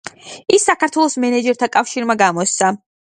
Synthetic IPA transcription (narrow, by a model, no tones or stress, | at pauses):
isːakaɾt̪ʰwɛlˠɔsmɛnɛd͡ʒɛɾt̪ʰakʼafʃiɾmaɡamɔst̪ssa